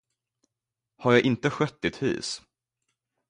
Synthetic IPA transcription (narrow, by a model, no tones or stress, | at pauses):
haɾjaʔɪnt̪əɧœt̪ːɪt̪hy̰ːs